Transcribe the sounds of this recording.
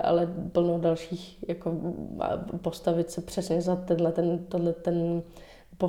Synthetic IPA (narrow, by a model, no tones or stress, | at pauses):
ʔa̰lɛpl̩nowdalʃiːxjakoa̰post̪avɪt̪sɛpr̝̥ɛsɲɛzat̪ɛnlɛt̪ɛnt̪odlɛt̪ɛn | po